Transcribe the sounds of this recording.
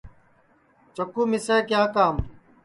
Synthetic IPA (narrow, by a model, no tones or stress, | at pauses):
t͡ʃəkuːmɪseːkjaːkaːm